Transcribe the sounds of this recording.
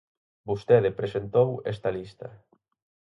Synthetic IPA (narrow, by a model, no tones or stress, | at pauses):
bust̪ɛðɪpɾesent̪owɛst̪ɐlist̪ɐ